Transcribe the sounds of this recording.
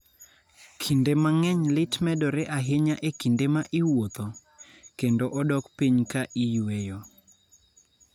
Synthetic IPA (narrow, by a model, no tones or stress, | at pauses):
kʰindemaŋɛɲlɪtmɛdɔɾeʔaɦɪɲaʔekindemaʔɪwot̪ɔ | kendoʔɔdɔkpiɲkaʔijwejɔ